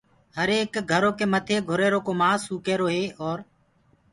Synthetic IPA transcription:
həɾeːkɡʱəɾoːkeːmət̪ʰeːɡʱʊɾeːɾoːkoːmãːsuːkeːɾoːɦeːʔɔːɾ

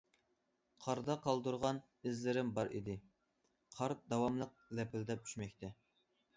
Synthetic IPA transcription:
qʰɑɾd̪ɑqʰɑlˠd̪uɾʁɑn | ɪzlɪɾɪmbɑɾḭd̪ɪ | qʰɑɾd̪ɑwɑmlˠəq̚ | lɛpʰɪld̪ɛp̚t͡ʃʰy̥ʃmɛkʲt̪ʰɛ

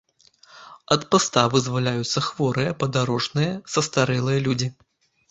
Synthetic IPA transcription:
ɐt̪past̪avɨzvalʲajut̪sːɐxvɔɾɨjɐpɐd̪aɾɔʐnɨjɐsɐst̪aɾɛlˠɨjɐlʲud͡zʲi

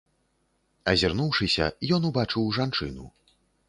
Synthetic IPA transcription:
ɐzʲirnuwʂɨsʲɐ̰jɔnubat͡ʂɨwʐant͡ʂɨ̰nu

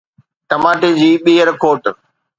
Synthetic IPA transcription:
ʈɐmaːʈed͡ʑiːɓiːɦəɾkʰoːʈ

